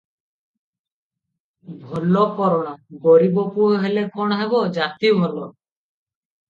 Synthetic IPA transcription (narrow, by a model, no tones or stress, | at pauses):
bʱɔlɔkɔɾɔɽ̃ɔɡɔɾibɔpuɔɦelekɔɽ̃ɔɦebɔd͡ʒat̪ibʱɔlɔ